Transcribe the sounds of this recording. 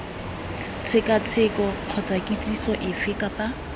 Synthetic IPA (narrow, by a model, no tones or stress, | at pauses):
t͡sʰɪkʼat͡sʰɪkɔq͡χʰɔt͡sʰʼakʼit͡sʼisɔʔɪfɪkʼapa